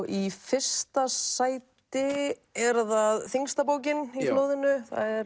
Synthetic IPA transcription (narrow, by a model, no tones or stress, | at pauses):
ifɪr̥st̪asaːjt̪ɪɛɾðaðθiŋst̪ap̬oːwcɪniploːwðɪnʏθa̰ðɛɾ